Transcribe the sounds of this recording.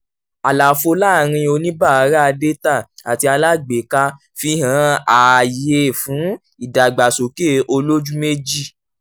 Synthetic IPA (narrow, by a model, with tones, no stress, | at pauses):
a˨la˨fo˧la˦˨ɾ̃ĩ˧o˧nĩ˦ba˦˨a˨˧˦ɾa˦a˧de˦ta˦˨a˨ti˧a˧la˦ɡ͡be˨ka˧ | fi˧˦ɦã˨˦a˨je˧˦˨fũ˨˦ | i˦˨da˨ɡ͡ba˨so˨ke˦˨ʔo˧lo˦d͡ʒu˦me˦d͡ʒi˦˨